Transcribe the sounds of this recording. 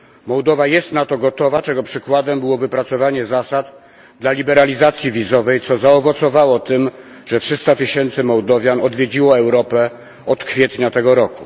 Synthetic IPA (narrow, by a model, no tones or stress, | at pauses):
mɔwd̪ɔvajɛst̪nat̪ɔɡɔt̪ɔvat͡ʂɛɡɔpʂɘkwad̪ɛmbɘwɔvɘpɾat̪sɔvaɲɛzasad̪ | d̪lalʲibɛɾalʲizat̪sʲjivʲizɔvɛjt̪sɔzaɔvɔt̪sɔvawɔt̪ɘm | ʐ̥ɛtʂɘst̪at̪ɘɕɛnt̪sɘmɔwd̪ɔvʲjanɔd̪vʲjed͡ʑiwɔɛwɾɔpɛ | ɔt̪kfʲjɛt̪ɲat̪ɛɡɔɾɔku